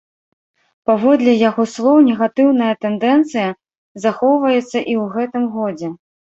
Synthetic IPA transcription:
pavɔd̪lʲɛjaɣɔslˠɔwnʲɛɣat̪ɨwnɐjɐt̪ɛnd̪ɛnt̪sɨjɐ | zaxɔwvɐjɛt̪sːɐʔiwɣɛt̪ɨmɣɔd͡zʲɛ

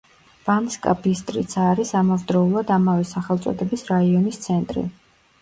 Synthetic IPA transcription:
b̥amskʼa̰bist̪ʼɾḭt̪sʰaːɾisamɔvd̪ɾɔulˠad̪amavɛsaχɛlˠt̪sʼɔ̰d̪ɛbisɾaiɔnist̪sʰɛnt̪ʼɾḭ

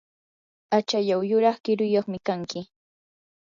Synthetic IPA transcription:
at͡ʃaʎawjʊɾɑχkɪɾʊjoχmɪkaŋkɪ

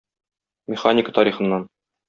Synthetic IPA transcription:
mʲɪχanʲɪkə̥t̪ɒɾiχɤ̆nːɑn

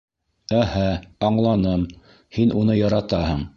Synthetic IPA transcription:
æhæɑɴlˠɑnɤm | hinʔunɤjɑɾɑt̪ɑhɤɴ

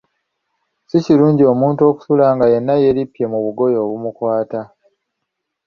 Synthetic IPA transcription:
siciɾuːɲɟio̞muːntuo̞ku̥sulaːŋɡaje̞nːaje̞ɾipje̞muβuɡo̞jo̞ːβumukwaːta

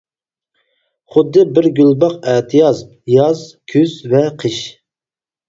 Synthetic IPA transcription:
χʊd̪ːɨbɪɾɡʲylbɑqɛt̪ʰɪjɑz | jɑzkʲʰyzvɛqʰəʃ

